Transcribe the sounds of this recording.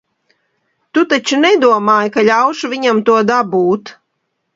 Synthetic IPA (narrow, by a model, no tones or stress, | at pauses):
t̪ut̪at͡ʃunɛd̪uɔmaːjkaʎʲawʃuvʲiɲamt̪uɔd̪abuːt̪